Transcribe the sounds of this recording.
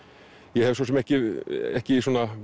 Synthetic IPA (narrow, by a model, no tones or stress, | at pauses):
jɛhɛvsɔs̬ɛmɛhcɪɛhcɪisuːna